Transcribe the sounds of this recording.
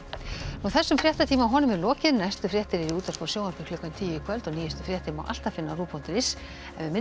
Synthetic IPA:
nuθɛsːʏmfɾjɛht̪at̪ʰiːmaɦɔːnʏmɛɾlɔːcɪnajst̪ʏfɾjɛht̪ɪɾɛɾiuːt̪aɾfɔsjowaɾpɪkʰlʏkːant̪ʰiːjɪkʰvœlt̪ɔɣniːjɛst̪ʏfɾjɛht̪ima̰wʔa̰l̥t̪afɪnːaruːpʰunt̪ɪɾɪs | ɛnvɪmɪ

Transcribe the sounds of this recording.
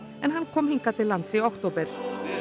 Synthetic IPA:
mɛnɦankʰɔmhɪŋkat̪ʰɪlːansiɔkt̪ʰuːbəɾ

